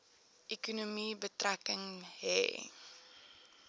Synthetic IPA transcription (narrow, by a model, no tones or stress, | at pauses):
ʔekunumibətrækəŋɦɛ̰ː